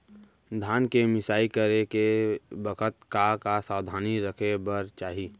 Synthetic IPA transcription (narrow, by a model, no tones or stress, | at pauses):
d̪ʱaːnkemɪsaːikəɾekebəkʰət̪̚kakasaːwd̪ʱaːniɾəkʰebəɾt͡ʃaːɦiː